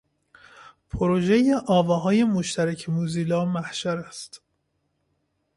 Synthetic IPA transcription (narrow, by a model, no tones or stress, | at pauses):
pʰoɾoʒejeʔɒːvɒːɦɒːje̞moʃt̪ʰæɾæcʰemuːziːlɒːmæhʃæɾæst̪